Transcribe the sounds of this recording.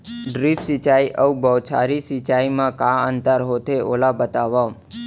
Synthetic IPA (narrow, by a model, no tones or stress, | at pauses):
ɖɾifsit͡ʃajʔəubət͡ʃʰa̰ɾisit͡ʃajmãkaənt̪əɾɦot̪ʰeʔolabət̪aʋam